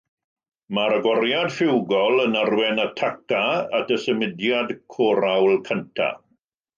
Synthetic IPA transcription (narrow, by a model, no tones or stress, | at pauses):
maɾəɡwɔɾjadfɪwɡɔlˠənarwɛnatʰakaatəsəmɪdjadkʰɔɾawlˠkʰəntʰa̰